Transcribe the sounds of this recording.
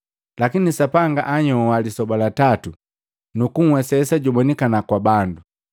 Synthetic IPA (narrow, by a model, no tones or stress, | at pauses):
lakinisapaŋɡaʔaɲɔwalisɔbalatatu | nukuŋ̩wɛsɛsaɟumɔnikanakwabandu